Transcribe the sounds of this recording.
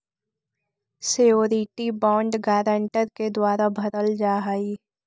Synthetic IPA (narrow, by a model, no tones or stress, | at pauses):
sejoːɾiʈibɔ̃ːɳɖɡaːɾə̃ɳʈəɾked̪waːɾabʱɐɾəld͡ʒaːɦaiː